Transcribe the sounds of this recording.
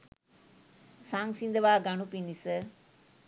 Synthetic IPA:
saːŋsind̪əʋaːɡanupinisə

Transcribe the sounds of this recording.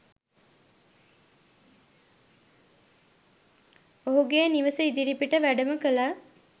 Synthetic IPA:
oɦuɡeːniʋəsuid̪iɾipiʈəʋæɖəməkəla

